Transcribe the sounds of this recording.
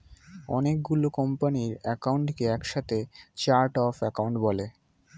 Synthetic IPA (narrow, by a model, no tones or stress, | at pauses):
ɔ̰nek̚ɡulokɔmpaniɾɛkawɳʈkeɛkʃat̪ʰet͡ɕaɾʈɔfɛkawɳʈbɔle